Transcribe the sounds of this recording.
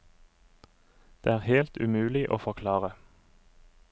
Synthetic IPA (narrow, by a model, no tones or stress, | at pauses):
d̪̥eːæːʁheːlt̪ʉmʉːlɪʔo̰ːfɔkʰlɑːʁə